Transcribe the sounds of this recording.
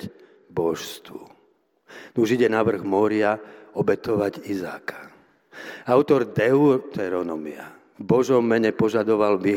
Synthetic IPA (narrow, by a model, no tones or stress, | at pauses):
bɔʃst̪ʋṵ | nuʒiɟɛnaʋr̩ɣmɔɾiaɔbɛt̪ɔʋaɟiza̰ːkʰḁ | aʊt̪ɔɾd̪ɛut̪ɛɾɔnɔmia̰ | bɔʒɔmːɛɲɛpɔʒad̪ɔʋalbi